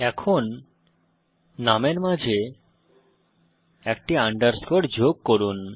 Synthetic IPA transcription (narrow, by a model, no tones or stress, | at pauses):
ɛkʰon | ameɾmad͡ʑʱe | ɛk̚ʈiaɳɖəɾskoʈd͡ʑoɡ̚koɾun